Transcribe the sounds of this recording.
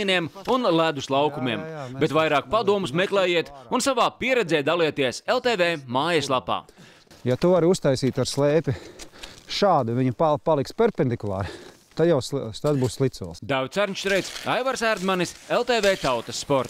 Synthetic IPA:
iniɛmunlˠæd̪uslˠɑwkumiɛmbet̪vajɾaːk̚pad̪uɔmusmɛklɛːjiɛt̪unsavaːpiɛɾɛd̪zɛːd̪aliɛt̪iɛselˠt̪eːvɛːmaːjɐslˠapa̰ː | jat̪uvaɾust̪ajsiːt̪aɾslˠɛːpʲi | ʃaːd̪uviɲpapalˠikspʲɛɾpʲend̪ikulˠɑ̰ːɾ | t̪ad̪jawst̪ad̪buːsslˠit̪suɔlˠsd̪avʲt̪sæɾɲʲt͡ʃt̪ɾɛjt̪sajvaɾsæɾd̪maniselˠt̪eːvɛːt̪awt̪ɐsːpɔɾt̪

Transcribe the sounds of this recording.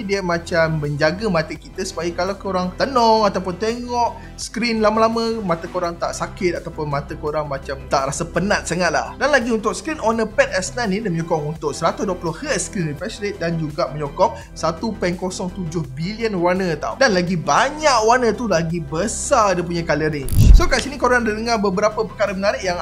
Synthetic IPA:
diəmãt͡ʃamːəɲd͡ʒaɡəmat̪əkit̪əsu̥paikalakoɾaŋt̪ənɔŋat̪awpʊnt̪eŋɔʔ | skɾinlamalamə̃mat̪akoɾaŋt̪a̰ʔsakɪt̪̚at̪awpʊnmãt̪akoɾaŋmat͡ʃamt̪aʔɾasapənãt̪̚saŋat̪̚la̰hdanlaɡiunt̪ʊk̚skɾinʔonəpɛt̪̚ɛsnanidiəməɲɔkɔʔunt̪ʊʔ̚səɾat̪ʊsduwəpulʊhhət̪skɾinripɛslet̪̚dand͡ʒuɡaʔməɲɔkɔp̚ | sat̪upɛŋkosɔŋt̪ud͡ʒʊhbiliənwanət̪a̰wdanlaɡibaɲaʔwanət̪ulaɡibəsadəp̬uɲakaləɾiŋsokaʔsinikoɾaŋdidəŋabəbəɾapəpəkaɾəmənaɾɪʔjaŋ

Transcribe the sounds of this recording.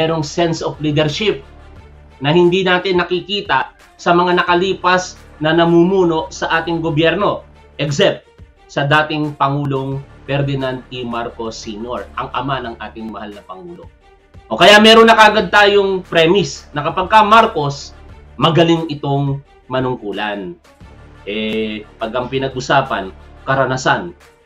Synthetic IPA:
mɛːɾoŋsɛnsʔofliːd̪ɛɾʃɪp̚ | nɐhɪnd̪inaːt̪ɪnːɐkɪkiːt̪ɐ | sɐmɐŋanɐkɐliːpɐsnɐnɐmumuːno̞ʔsɐʔaːt̪ɪŋɡobjɛɾno̞ | ʔɛksɛp̚t̪̚ | sɐd̪aːt̪ɪŋpɐŋuːlo̞ŋpɛɾd̪ɪnant̪̚ɪmaɾkosːinoɹʔɐŋʔɐ̰manɐŋʔaːt̪ɪŋmɐhalnɐpɐŋuːlo̞̰ | ʔokɐjamɛːɾonɐkɐʔɐɡad̪̚t̪aːjoŋpɾɛmɪsnɐkɐpɐɡ̚kɐmaɾko̞s | mɐɡɐliŋʔɪt̪o̞ŋ | mɐnʊŋkuːlɐn | ʔɛpɐɡɐŋpɪnɐɡʔʊsaːpɐ̰nkɐɾɐnasan

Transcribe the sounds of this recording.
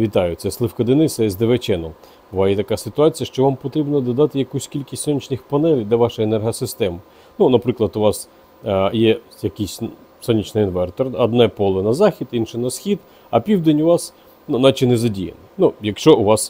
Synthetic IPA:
ʋʲit̪ɑjʊtsɛslˠɪfkɐd̪enɪsɛzʲd̪eʋet͡ʃɛnɔ | bʊʋɑjɛt̪ɐkɑsɪt̪ʊɑt͡sʲijɐʃt͡ʃɔʋɑmpɔt̪ɾʲibnɐd̪ɔd̪ɑt̪ɪjɐkusʲtʲkʲilʲkʲisʲtʲsɔnʲit͡ʃnɪxpɐnɛlʲd̪ʲɐʋɑʃɐenɛrɦɐsɪst̪ɛmɪ | nunɐpɾɪklˠɐd̪ʊʋɑs | jɛjɐkʲisʲ | sɔnʲit͡ʃnɪinʋɛrt̪ɔrɐd̪nɛpɔlˠɪnɐzɑxʲid̪inʃɛnɐsxʲid̪ | ɐpʲiwd̪enʲʊʋɑs | nunɑt͡ʃɪnɛzɐdʲijɐ̰nɪnujɐkʃt͡ʃɔʊʋɑs

